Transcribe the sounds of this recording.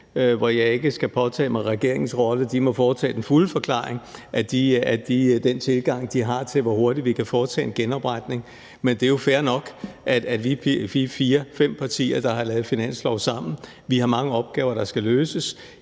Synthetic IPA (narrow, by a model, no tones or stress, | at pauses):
ʋɒjɑ̈ɪe̝ɡ̥əsɡ̥æpʰɒ̽t͡sʰɛ̰ːmɑ̈ɪʁɛɡ̥e̝ɐ̰e̝ŋn̩sʁɒ̽ləd̥imɒ̽fɒːt͡sʰɛ̰ːd̥enfuləfɒ̽kʰl̥ɑ̰̈ːe̝ŋʔæd̥iæd̥id̥ent͡sʰe̝lɡ̥ɑ̈ŋ̰d̥iɦɑ̈t͡sʰe̝lʋɒho̝ɐd̥idʋikʰæfɒːt͡sʰɛ̰ːe̝nɡ̥enɒ̽b̥ʁɑd̥ne̝ŋ | mend̥e̝ɐjo̝fæːɐnɒ̽ɡ̥ʔæ̥æ̥liːpʰfifiːɐfem̰pʰɑ̈t͡sʰḭːɐd̥ɑ̈ɦɑ̈lɛːð̩ˠfinæn̰slɒʊsɑ̈m̰n̩ | ʋihɑ̈mɑ̈ŋəɒ̽b̥̚ɡ̥ɛːʊɐɾ̥ɑ̈sɡ̥æløːsəs